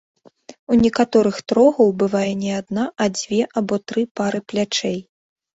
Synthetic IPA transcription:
unʲɛkat̪ɔɾɨxt̪ɾɔɣɐwbɨvajɛnʲɛad̪naʔɐd͡zʲvʲɛʔabɔt̪ɾɨpaɾɨplʲat͡ʂɛj

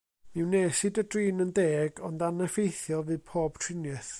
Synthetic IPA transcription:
mɪwneːsɨdədriːnəndeːɡɔndanɛfejθjɔvɨːpʰoːb̥̚tʰrɪnjɛθ

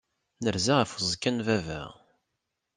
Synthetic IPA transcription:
nəɾzaʁəfəzˤkːænvævæ̰ʁ

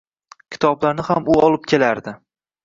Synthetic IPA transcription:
kʲʰɪ̥t̪ʰɒblaɾnɪhamʊɒlˠɪp̚kʲʰe̞laɾd̪ɪ

